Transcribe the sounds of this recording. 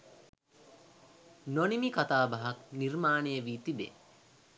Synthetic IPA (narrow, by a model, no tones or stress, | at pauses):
nonimikat̪aːbaɦaknirmaːnejəʋiːt̪ibḛ